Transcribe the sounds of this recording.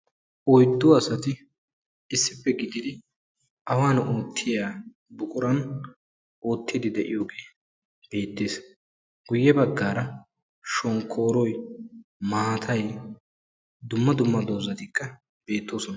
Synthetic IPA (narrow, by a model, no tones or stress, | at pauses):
ʔɔjd̪ːʊɐsɐt̪ɪ | ɪsːɪpːɛɡɪd̪ɪd̪ɪ | ʔɐwaːnoːt̪ʰːɪjaː | bʊkʼʊɾɐn | ʔoːt̪ːɪd̪ɪd̪ɛʔɪ̰jo̞ːɡe̞ː | b̥e̞ːt̪ːe̞ːs | ɡ̥ʊjːɛbɐɡːaːɾɐ | ʃɔŋkʰːo̞ːɾɔj | maːt̪ʰɐj | d̪ʊmːɐd̪ʊmːɐd̪oːzɐt̪ɪkːɐ | b̥e̞ːt̪ːo̞ːsɔnɐ